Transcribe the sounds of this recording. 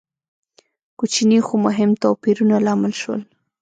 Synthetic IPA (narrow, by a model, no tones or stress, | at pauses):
kut͡ʃinixomʊɦɪmt̪ɑpiɾunalɑmɪlʃwə̰l